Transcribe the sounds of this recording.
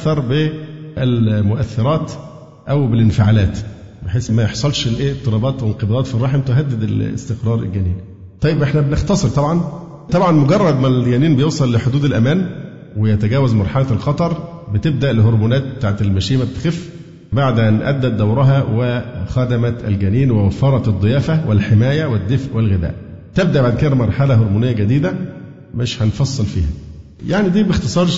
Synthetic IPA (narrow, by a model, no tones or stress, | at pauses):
θɑɾˤbeʔælmoʔæθːeɾˤɑːt̪ | ʔæwbelɪnfɪʕalæːt̪beħeːsːmæjeħsˤɑlʃlʔeːʔet̪ˤːɨɾˤɑːbɑːt̪wenqebɑd̪ɑːt̪firˤːɑːħemt̪oɦæd̪ːɪd̪ælḛst̪eqɾˤɑːɾˤḛlɡæːniːn | t̪ˤɑjːebʔeħnæbenext̪ɑsˤɨɾt̪ˤɑbʕɑn | t̪ɑbʕɑnmoɡɑrˤːɑd̪mælɡæːniːnbejewsˤɑlːeħod̪uːd̪ælʔæmæːn | wejæt̪æɡæːwæzmɑɾˤħalælxɑt̪ˤɑɾˤbɪt̪eb̚d̪æʔlɪɦoɾˤmuːnæːt̪̚bt̪aːʕt̪elmæʃiːmæbet̪e̥xefː | baʕd̪ʔænʔæ̰d̪ːæt̪̚d̪æwɾˤɑɦɑwexæd̪æmæt̪ælɡæniːnwewæfːɑɾˤɑt̪d̪ˤːɨjæːfæwelħemæːjæwed̪ːefʔwelɣed̪æ̰ːʔt̪eb̚d̪æʔbaʕd̪̚ked̪ɾmɑɾˤħalæɦoɾmuːnejːæɡæd̪iːd̪æ | mɪʃhænfɑsˤːɨlfḭːhæ | jaʕnid̪iːbext̪esˤɑːɾˤ